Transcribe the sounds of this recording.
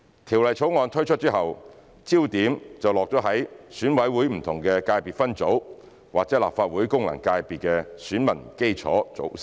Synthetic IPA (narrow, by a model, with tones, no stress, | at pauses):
t̪ʰiː˨˩wlɐ˨˩jt͡sʰo˨˥wŋɔː˨˧nt̪ʰɵ˥ɥt͡ʃʰɵ˥t̚t͡si˥ɦɐ˨w | t͡siː˥wt̪iː˨˥mt͡sɐ˨wlɔː˨k̚t͡sɔː˨˥ɦɐ˨˥jsyː˨˥nwɐ˨˥jwuː˨˥jm̩˨˩t̪ʰʊ˨˩ŋkɛː˧kaː˧jpiː˨˩t̚fɐ˥nt͡so˨˥w | waː˨k̚t͡sɛ˨˥la̰ː˨p̚faː˧t̚wuː˨˥jkʊ˥ŋlɐ̰˨˩ŋkaː˧jpiː˨˩t̚kɛ˧syː˨˥nmɐ˨˩nke˥jt͡sʰɔ̰ː˨˥t͡so̰˨˥w